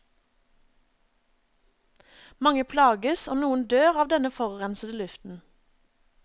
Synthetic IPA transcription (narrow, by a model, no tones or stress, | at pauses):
mɑŋəpʰlɑːɡəsoːnuːən̩d̪øːʁɑːʋd̪ɛnəfɔʁʁɛnsəd̪əlʉft̪n̩